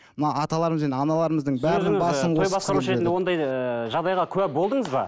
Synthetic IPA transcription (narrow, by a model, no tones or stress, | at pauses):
mənɑwɑt̪ɑlˠɑɾəməzenɑnɑlˠɑɾəməzd̪əɴbæɾd̪ɪbɑsəɴʰojbɑsqɑɾuʃəɾet̪nd̪ewo̞nd̪ɑjəʒɑʁd̪ɑjʁɑkʲʰɵwæbo̞lˠd̪əɴŋəzbɑ̰